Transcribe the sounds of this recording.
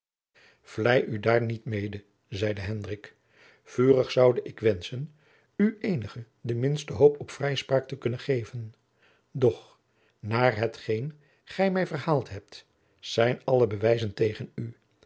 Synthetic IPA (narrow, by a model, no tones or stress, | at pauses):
v̥lɛjʔydaːɹnitmejdə | zɛjdəɦɛndrɪk | fyːrəχsɑwdəʔɪkʋɛnsən | yʔejnəχə | dəmɪnstəɦowpɔpfrɛjspraːk̚təkɵnənχejvən | dɔχ | naːɹɦətχejn | χɛjmɛjvərhaːlˠtɦɛp̚t | z̥ɛjnɑləbəʋɛjzəntejχəny